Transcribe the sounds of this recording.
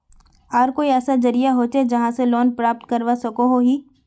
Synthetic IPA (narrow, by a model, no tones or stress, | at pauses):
aːɾkoːiɛːsad͡ʒɐɾijaɦot͡ʃed͡ʒɐɦãseloːnpɾaːp̚t̪kɐɾʋasɐkoɦoɦiː